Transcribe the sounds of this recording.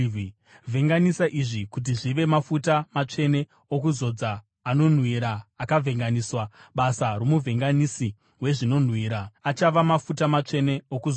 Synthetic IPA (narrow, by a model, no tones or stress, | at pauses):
vʱe̞ŋɡanisaʔiʐikut̬iʐiʋe̞mafutamat͡ʂe̞ne̞ | okuzo̞d͡zaː | no̞n̤wiɾaːkavʱe̞ŋɡaniswaɓasaro̞muvʱe̞ŋɡanisi | we̞ʐino̞n̤wiːɾaat͡ʃaʋamafutamat͡ʂe̞ne̞okuzo